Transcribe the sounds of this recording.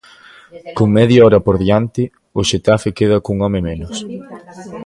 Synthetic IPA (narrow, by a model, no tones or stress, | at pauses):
koŋmɛðjaɔɾɐpoɾðjant̪ɪ | ʊʃet̪afɪkeð̞ɐkuŋɔmɪmenʊs